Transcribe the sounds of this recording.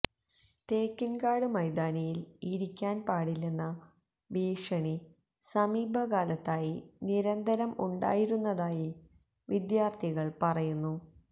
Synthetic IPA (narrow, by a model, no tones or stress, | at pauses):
t̪eːkːinkaːɽɨmɐjd̪aːnɐjiliɾikʲːaːnpaːɽilːenːɐ | biːʂɐɳi | sɐmiːbʱɐkaːlɐt̪ːaːjiniɾɐnd̪ɐɾɐmṵɳɖa̰ːjiɾunːɐðaːji | ʋid̪jaːrt̪ʰiɣɐɭpɐrɐjunːu